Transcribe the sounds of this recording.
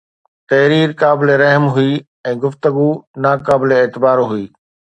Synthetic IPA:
t̪ɐɦɾiːɾkaːbɪleɾɐɦmɦʊi | ɛ̃ːɡʊft̪əɡunaːkaːbɪleeːt̪ɪbaːɾɦʊiː

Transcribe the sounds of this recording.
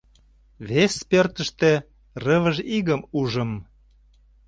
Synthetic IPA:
βespørt̪ə̆ʃt̪ĕ | rəβəʒiɣəmuʒəm

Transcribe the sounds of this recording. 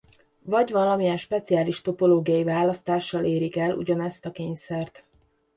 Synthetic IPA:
vɒɟvɒlɒmiɛnʃpɛt̪sijaːliʃt̪o̞po̞loːɡijɒjivaːlɒst̪aːʃːɒleːɾikɛlṵɟɒnɛst̪ɒkeːɲsɛrt̪

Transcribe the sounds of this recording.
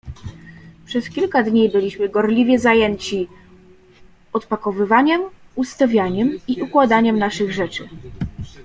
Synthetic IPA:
pʂɛskʲilkad̪ɲibɘlʲiɕmɘɡɔɾlʲivʲjɛzajɛɲt͡ɕi | ɔt̪pakɔvɘvaɲɛm | ust̪avʲjaɲɛmiʔukwad̪aɲɛmnaʂɘɣʐɛt͡ʂɘ̰

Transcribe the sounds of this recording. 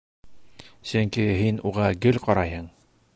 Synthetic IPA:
sɵŋkiɦinuʁɑɡɵlqɑɾɑjɤɴ

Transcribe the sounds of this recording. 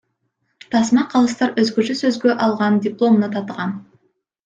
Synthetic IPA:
t̪ʰɑsmɑqʰɑlˠɯst̪ɑɾøzɡøt͡ʃøsøzɡøʔɑlˠʁɑndʲɪplˠo̞mnɑt̪ʰɑt̪əʁɑn

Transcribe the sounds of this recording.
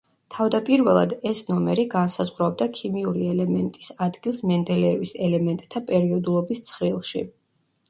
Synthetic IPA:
t̪ʰavd̪apʼiɾvɛlˠa̰d̪ɛsnɔmɛɾiɡansazʁɾabd̪akʰimiuɾiɛlɛmɛnt̪ʼisad̪ɡilˠsmɛnd̪ɛlɛːvisɛlɛmɛnt̪ʼt̪ʰːapʼɛɾiɔd̪ulˠɔbist̪sʰχɾilˠʃḭ

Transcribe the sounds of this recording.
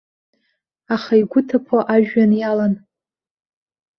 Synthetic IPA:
aχaiɡʷʊtʰapʰoʔaʒᶣanjalan

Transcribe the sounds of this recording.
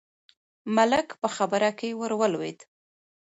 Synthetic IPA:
malɪkpəxabəɾakewəɾwəlwed̪

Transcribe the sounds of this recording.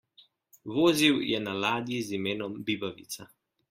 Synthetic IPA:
ʋoːziwjɛnalaːd̪jizimeːnɔmbibaʋḭt̪sa

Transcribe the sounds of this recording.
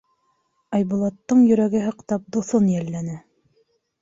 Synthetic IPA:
ɑjβŭlˠɑt̪ːɤɴjɵ̆ɾæɡɘɦɤ̆qt̪ɑp̚d̪uθonjælːænɘ

